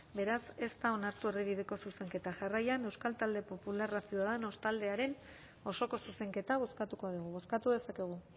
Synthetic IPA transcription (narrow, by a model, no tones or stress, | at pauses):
be̞ɾase̞st̪ao̞naɾt̪ue̞riβið̞e̞ko̞suse̞ŋke̞t̪aʝarajane̞wskalt̪ald̪e̞po̞pularasioaðano̞st̪ald̪e̞aɾe̞n | o̞so̞ko̞suse̞ŋke̞t̪aβ̞o̞skat̪uko̞ð̞uɣ̞uβo̞skat̪uðe̞sake̞ɣ̞u